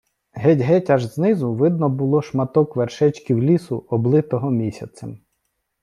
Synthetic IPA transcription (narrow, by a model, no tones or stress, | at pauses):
ɦɛtʲɦɛtʲaʒznɪzʊʋɪd̪nɔbʊlˠɔʃmɐt̪ɔkʋerʃɛt͡ʃkiwlʲisʊɔblˠɪt̪ɔɦɔmʲisʲɐt͡s̪ʲɐm